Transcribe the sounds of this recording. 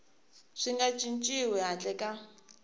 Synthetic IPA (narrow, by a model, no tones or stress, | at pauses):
ʂiŋɡat͡ʃʼint͡ʃʼiwɛɦat͡ɬʼɛkʼa